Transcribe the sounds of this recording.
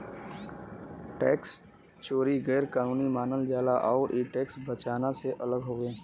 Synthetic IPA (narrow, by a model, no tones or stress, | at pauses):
ʈɛːks | t͡ʃoːɾiɣɛːɾkaːnuːnimaːnəld͡ʒaːlaʔɔːʔiːʈeːksbət͡ʃaːnaseʔɐləɡɦoːɡəẽː